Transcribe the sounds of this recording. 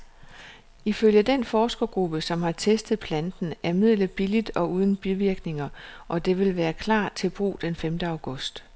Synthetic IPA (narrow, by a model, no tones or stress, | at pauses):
iføljəd̥enfɒːsɡ̥ɐɡ̥ʁub̥əsɒ̽mhɑ̈t͡sʰesd̥ð̩ˠpʰlænd̥n̩æɐmið̞̰ˠləb̥ilid̥ɒ̽uːð̞ˠn̩b̥iʋiɐɡ̥ne̝ŋɐʔɒ̽d̥e̝ʋe̝lʋæːɐkʰlɑ̰̈ːt͡sʰe̝lb̥ʁṵːd̥enfemd̥əɑ̈ʊɡ̥ɔ̽sd̥